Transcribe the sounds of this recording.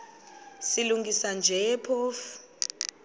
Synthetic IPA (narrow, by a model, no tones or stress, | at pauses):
siluŋɡʱisand͡ʒʱɛpʰoːfu̥